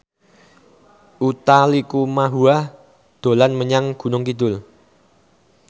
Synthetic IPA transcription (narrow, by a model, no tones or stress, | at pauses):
ʔut̪alikumaɦuah | d̪̥o̤lanməɲaŋɡ̥ṳnʊŋkid̪ʊl